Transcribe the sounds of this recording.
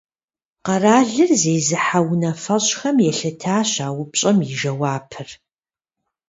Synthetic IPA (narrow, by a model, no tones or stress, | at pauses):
qɐraːɮɨrzeːzɨħawnɐfɐɕʼxɐmjɛɬɐtʰaːɕaːwʊpɕʼɐmjiʒɐwaːpʰɨr